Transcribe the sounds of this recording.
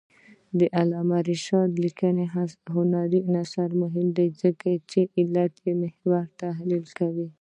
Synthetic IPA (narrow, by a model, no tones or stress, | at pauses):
d̪əʔalɑmaɾiʃɑt̪likəneɦaɦʊnaɾinasaɾmʊɦɪmd̪ajzəkat͡ʃeʔɪlat̪jemɪhwaɾt̪aɦlilkawi